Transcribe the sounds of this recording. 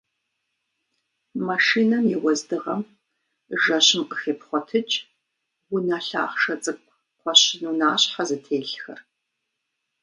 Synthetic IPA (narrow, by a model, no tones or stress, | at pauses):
maʂiːnɐmjɛwɔzdɨʁɐm | ʒɐɕɪmqəxeːpχʷɔtʰɨt͡ʃʼ | wʊnaːɬa̰ːχʂɐt͡sʼɨkʷʰʼ | qʷɔɕɪnunaːɕħazɨtʰeːɬxɐ̰r